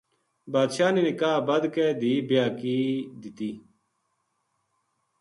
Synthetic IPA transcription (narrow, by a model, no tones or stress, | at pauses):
baːd̪ʃaːniːnɪkaːbəd̪keːd̪iːbjaːkiːd̪ɪt̪iː